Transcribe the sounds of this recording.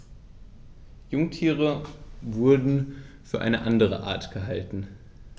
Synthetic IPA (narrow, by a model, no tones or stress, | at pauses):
jʊŋtʰiːʁəvʊɐdn̩fyːɐʔa̰ɪnəʔandəʁə̰ʔa̰ɐtɡ̥əɦaltn̩